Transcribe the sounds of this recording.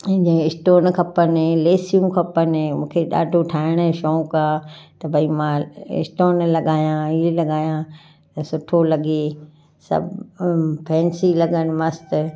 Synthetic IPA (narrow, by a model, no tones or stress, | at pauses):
d͡ʑẽɪsʈoːnkʰɐpənleːsijũkʰɐpənmũːkʰeɗa̰ːɖʱoʈʰaːɪɽ̃ʃɔːũkaːt̪ɐbʱɐimãɪ̰sʈoːnlɐɠaːjãilɐɠaːjã | t̪ɐsʊʈʰolɐɠeː | sɐ̰bʱpʰɛ̃ːnsilɐɡənɪ̆mɐst̪